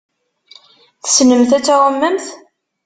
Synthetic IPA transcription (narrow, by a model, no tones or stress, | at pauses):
θə̥snəmθæt͡sːaʁˤəmːəmθ